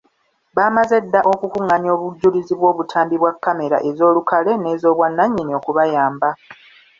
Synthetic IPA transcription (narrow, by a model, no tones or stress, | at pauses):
βaːmaze̞dːaʔo̞kukuŋːaɲo̞ːβuɟːuliziβwo̞ːβutʰaːmbiβwakːame̞ɾa̰ʔe̞zo̞ːlukale̞ne̞ːzo̞ːβwanːaɲːinio̞kuβajaːmba